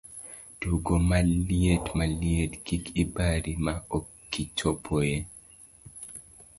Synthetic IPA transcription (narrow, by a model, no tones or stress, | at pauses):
d̥uɡomalietmalietkikibaɾimaokːit͡ʃʰopʰoje